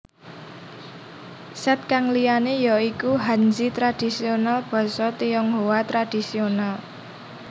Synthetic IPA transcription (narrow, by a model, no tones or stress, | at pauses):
sɛt̪̚kaŋlijanejɔikuɦand͡ʒit̪ɾad̥i̤sionalb̥ɔ̤sɔt̪ijɔŋɦowat̪ɾad̥i̤sional